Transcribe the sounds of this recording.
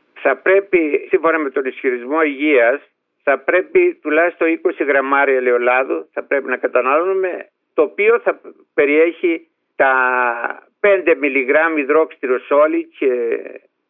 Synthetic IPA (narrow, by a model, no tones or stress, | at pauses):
θɐpɾe̞pisiɱfo̞nɐme̞t̪o̞nisçiɾizmo̞iʝiɐs | θɐpɾe̞pit̪ulɐist̪oiko̞siɣɾɐmɐɾiɐleolɐðuθɐpɾe̞pinɐkɐt̪ɐnɐlonume̞ | t̪opio̞θɐ | pe̞ɾie̞çi | t̪ɐ | pe̞nd̪e̞miliɣɾɐmiðɾo̞kst̪iɾoso̞lice